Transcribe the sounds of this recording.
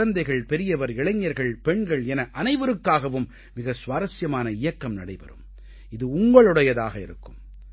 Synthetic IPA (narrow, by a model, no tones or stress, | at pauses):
ɐnd̪ɐɪɣɐɭpɛɾɪjɐʋɐɾɪɭɐɲːɐɾɣɐɭpɛɳɡɐɭɛnɐʔɐnɐɪʋɯɾɯkːaːɣɐʋɯmː | ɪɣɐsʋaːɾɐsjɐmaːnɐɪjɐkːɐmnɐɽɐɪpɐ̰ɾɯ̰m | ɪðɯʊŋɡɐɭɯɽɐjɐðaːɣɐɪ̰ɾɯkːɯm